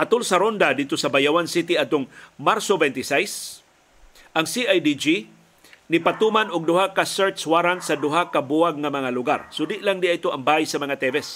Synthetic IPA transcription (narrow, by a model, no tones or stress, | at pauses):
hat̪olsɐɾond̪ad̪id̚t̪osɐbajawansit̪iad̪̚t̪ːoŋmaɾsobɛnt̪ɪsajs | ʔaŋsiʔajd̪id͡ʒi | nipat̪umanʊɡ̚d̪ʊhakasɛɹt̪swaɾansad̪ʊɦakabuaɡ̚ŋamɐŋalʊɡa̰ɾsod̪ɪʔlaŋd̪iait̪oʔaŋbaːjsɐmɐŋat̪ɛvɛs